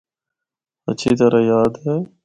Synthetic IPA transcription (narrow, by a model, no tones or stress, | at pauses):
ət͡ʃʰiːt̪əɾaːjaːd̪ɦeː